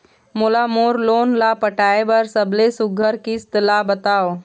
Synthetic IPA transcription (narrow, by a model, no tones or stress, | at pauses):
molamoːɾloːnlapəʈʰaːebɐɾsɐbʱlesʊɡʱəɾkist̪ɪlabət̪aːo